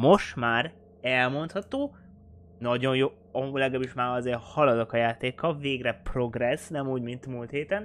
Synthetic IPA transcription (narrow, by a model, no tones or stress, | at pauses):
mo̞ʃt̪maːr | ɛlmo̞nt̪hɒt̪oː | nɒɟo̞njoː | ɒmulɛɡaːbiʃmaːɾɒzeːrhɒlɒd̪okɒjaːt̪eːkːɒlveːɡrɛpro̞ɡrɛsnɛmuːɟmint̪mult̪heːt̪ɛn